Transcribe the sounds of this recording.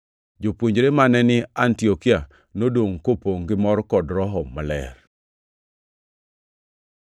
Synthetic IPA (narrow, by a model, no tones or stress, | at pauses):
d͡ʒopwoɲd͡ʒɾemanɛnɪantiokia | nodoŋkopoŋɡɪmɔrkɔdɾɔɦɔmalɛ̰r